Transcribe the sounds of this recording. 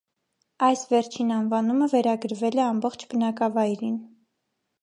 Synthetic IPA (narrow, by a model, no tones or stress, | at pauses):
ɑjsvɛɾt͡ʃʰinɑnvɑnuməvɛɾɑɡəɾvɛlɛɑmbɔχt͡ʃʰbənɑkɑvɑjɾin